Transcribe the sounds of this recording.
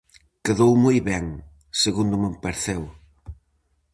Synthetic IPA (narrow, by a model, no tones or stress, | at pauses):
keðowmujβɛŋ | seɣund̪ʊmempeɾθɛw